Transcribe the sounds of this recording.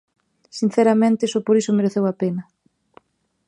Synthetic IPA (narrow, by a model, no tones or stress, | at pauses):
sin̟θɛɾamẽnt̪ɪsopoɾisʊmeɾeθewapenɐ